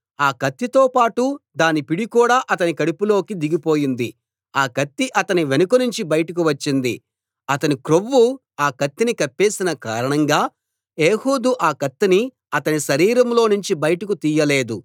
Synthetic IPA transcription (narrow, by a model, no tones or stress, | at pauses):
aːkɐt̪ːit̪o̞ːpaːʈud̪aːnipiɽikuːɽaːʔɐt̪ɐnikɐɽipulo̞ːkid̪iɡipo̞ːjind̪ḭ | aːkɐt̪ːiʔɐt̪ɐniʋenɐkunuɲt͡ʃibɐjɐʈɐk̬uʋɐt͡ʃːind̪ḭ | ɐt̪ɐnikɾoʋːu | aːkɐt̪ːinikɐpːeːsinɐka̰ːɾɐɳɐŋɡaː | e̞ːhuːd̪uʔaːkɐt̪ːini | ɐt̪ɐniʃɐɾiːɾɐmlo̞ːnuɲt͡ʃibɐjʈɐkut̪iːjɐle̞ːd̪u